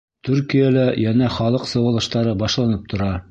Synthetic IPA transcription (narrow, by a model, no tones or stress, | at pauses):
t̪ʉɾkijælæjænæχɑlˠɤqsɤ̆wɤ̆lˠɤ̆ʃt̪ɑɾɤbɑʃlˠɑnɤp̚t̪ʰŏɾɑ